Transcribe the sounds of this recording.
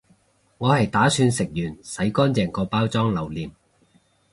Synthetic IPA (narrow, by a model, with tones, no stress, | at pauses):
ŋɔː˨˧hɐ˨jt̪aː˨˥syː˧nsɪ˨k̚jyː˨˩nsɐ˨˥jkɔː˥nt͡sɛː˨˩ŋkɔː˧paː˥wt͡sɔː˥ŋlɐ˨˩wliː˨˩m